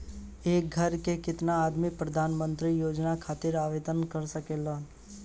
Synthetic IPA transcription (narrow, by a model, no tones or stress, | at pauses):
eːk̚ɡʱəɾkekɪt̪naːd̪mipɾəd̪ʱaːnmə̃nt̪ɾijoːd͡ʒnakʰaːt̪ɪɾaːʋeːt̪ənkəɾsəkeːlaː